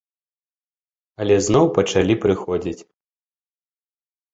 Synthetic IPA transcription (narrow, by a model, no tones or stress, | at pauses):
ɐlʲɛznɔwpɐt͡ʂalʲipɾɨxɔd͡zʲit͡sʲ